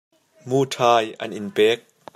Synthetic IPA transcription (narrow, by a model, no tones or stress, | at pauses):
muːtʰaːjʔɐ̰nʔɪnpɛːk̚